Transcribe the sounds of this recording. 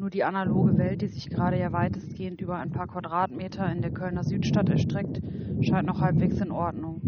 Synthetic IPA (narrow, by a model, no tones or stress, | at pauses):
nuːɐdiːʔanaloːɡəvɛlt̚d̥iːzɪçɡ̥əʁaːɾəjaːvaɪtəstɡ̥eːəntʔyːbɐaɪnpʰaːɐkv̥adʁaːtmeːtʰɐɪndeːɐkʰœlnɐzyːtʃtatɛɐʃtʁ̥ɛk̚tʃaɪntnɔχhalpv̥eːksɪnʔɔɐdnʊŋ